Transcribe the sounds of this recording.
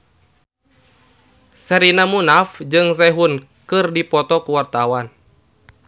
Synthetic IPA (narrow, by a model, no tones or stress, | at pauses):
sɛɾinamunafd͡ʒɨŋsɛɦun | kɨrdipɔt̪ɔkuwart̪awan